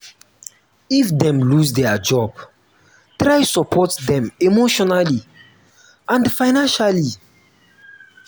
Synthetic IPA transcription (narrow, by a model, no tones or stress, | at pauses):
ifdɛ̃mlusdɛad͡ʒɔb̥ | tɹajsɔpʰɔtdɛ̃memoʃɔnali | ʔãnfaɪnãnʃali